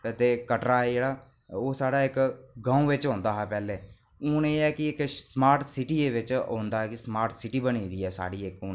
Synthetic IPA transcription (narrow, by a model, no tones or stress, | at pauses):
t̪eːkəʈɾaːɛːd͡ʒeːɽaː | oːsaːɽaːɪkɡãːũːʋɪt͡ʃɦõːnd̪aːɦɛːpɛːleː | ʊːneːɛːkɪɪksmaːɾʈsɪʈiːeːʋɪt͡ʃɦõ̰ːnd̪aːɦɛːkɪsmaːɾʈsɪʈiːbənĩːd̪iːɛːsa̰ːɽiːekʊːn